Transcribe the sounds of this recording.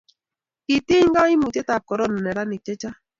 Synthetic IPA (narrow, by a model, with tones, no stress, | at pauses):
i˨tɪ˦ŋɡa˦i˦mu˨tɛ˦ta˨p̚kɔ˨ɾɔ˦˨nɔ˨nɛ˨ɾa˦nɪ˨t͡ʃɛ˦t͡ʃa˦